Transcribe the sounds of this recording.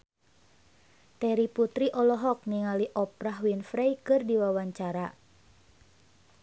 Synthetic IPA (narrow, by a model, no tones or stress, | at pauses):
t̪ɛɾiput̪ɾiʔɔlɔɦɔk̚niŋaliʔɔpɾaɦwinfɾɛjkɨrdiwawaɲt͡ʃaɾa